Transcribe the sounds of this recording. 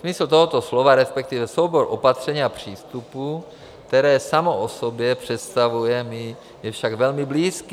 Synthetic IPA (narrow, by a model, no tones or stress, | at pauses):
smɪsl̩t̪oɦot̪o̞slovaɾɛspɛk̚t̪ivɛso̞wboɾʔo̞pat̪r̥ɛɲiːapr̝̥iːst̪upu | kt̪ɛɾɛːsamoʔosobjɛpr̝̥ɛt̪st̪avujɛmɪ | jɛfʃaɡvɛlmɪbliːski